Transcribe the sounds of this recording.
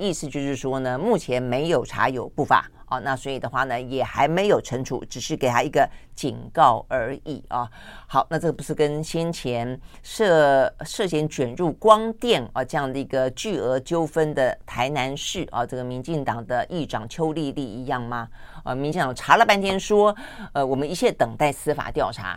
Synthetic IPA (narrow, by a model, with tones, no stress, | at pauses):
i˥˧˩sɹ̩˧t͡ɕjo˥˧ʊʂɻ̩˥˩ʂwɔ˥nə˨mu˥˩t͡ɕʰjɛ˧˥nme˧˥ɪjo˨˩ʊʈ͡ʂʰa̰˧˥jo˨˩ʊpu˥˩fa̰˨˩˦ʔɐ̰˨na˥˩swɔ˧˥i˨˩d̪ə˦xwa˥˩nə˩jɛ˨˩xa˧˥ɪme˧˥ɪjo˨˩ʊʈ͡ʂʰə˧˥ŋʈ͡ʂʰṵ˧˥ʈ͡ʂɻ̩˨˩ʂɻ̩˥˩ke˨˩ɪt̪ʰa˥i˧˥ɡə˧t͡ɕi˨˩ŋkɑ˥˩ʊə˞˧˥i˨˩ɐ˥˩ | xɑ˨˩˦ʊna˥˧ʈ͡ʂɤ˥˩ə˩pu˧˥ʂɻ̩˥˩kə˥nɕjɛ˥nt͡ɕʰjɛ˧˥n | ʂɤ˥˧ʂɤ˥˧˩ɕ̬jɛ˧˥nt͡ɕɥɛ˨˩nɻu˥˩kwɑ˥ŋt̪jɛ˥˩nɐ˧ʈ͡ʂɤ˥˧jɑ˥˩ŋd̪ə˩i˧˥ɡə˧t͡ɕy˥˩ɤ˧˥t͡ɕjo˥ʊfə˥nd̪ə˨t̪ʰa˧˥ɪna˧˥nʂɻ̩˥˩ʔɐ̰˨ʈ͡ʂɤ˥˩ɡə˩mi˧˥nt͡ɕi˥˩ŋt̪ɑ˨˩ŋd̪ə˦ʔi˥˩ʈ͡ʂɑ˨˩ŋt͡ɕʰjo˥ʊli˥˧li˥˩i˧˥jɑ˥˩ŋmɐ˩ə̰˥˧mi˧˥nt͡ɕi˥˩ŋt̪ɑ˨ŋʈ͡ʂʰa˧˥lə˨pa˥nt̪ʰjɛ˥nʂwɔ˥ə˧˩wɔ˨˩mə˦ni˧˥˩ɕjɛ˥˩t̪ɤ˨˩ŋt̪a˥˩ɪsɹ̩˥fa̰˨˩t̪jɑ˥˩ʊʈ͡ʂʰa̰˧˥